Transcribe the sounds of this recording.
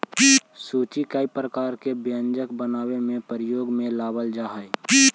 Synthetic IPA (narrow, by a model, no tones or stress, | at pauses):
suːt͡ʃikaipɾəkaːɾkebjə̃nd͡ʒəkbənaːwemẽpəɾɪjoːɡmẽlaːbəld͡ʒaːɦəe